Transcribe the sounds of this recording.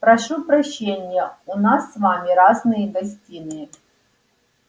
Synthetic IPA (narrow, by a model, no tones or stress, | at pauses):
pɾɐʂupɾɐɕːenʲɪjɛʊnasːvamʲiɾaznɨjəɡɐsʲtʲinɨ